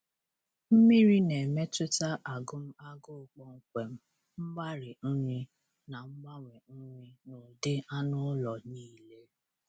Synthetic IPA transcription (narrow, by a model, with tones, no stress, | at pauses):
m̩˦mi˦ɾi˦ne˨me˦tʊ˦ta˦ʔa˨ɡʊ˦m̩˦a˦ɡʊ˦˨k͡pɔ˦ŋ̩˦kʷe˨m̩˦ | ŋ͡m̩˦ɡ͡ba˦ɾɪ˨n̩˦ɲi˦ | na˨ŋ͡m̩˦ɡ͡ba˦ŋʷe˨n̩˦ɲi˦no˨de˦a˦nʊ˦lɔ˨niː˦˨le˦